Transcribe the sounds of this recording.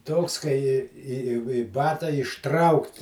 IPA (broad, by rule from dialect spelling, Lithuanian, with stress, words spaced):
ˈtoːks kɐɪ ɪ ɪ ɪ ɪ ˈbɑːtɐ ɪʃˈtrɐʊkt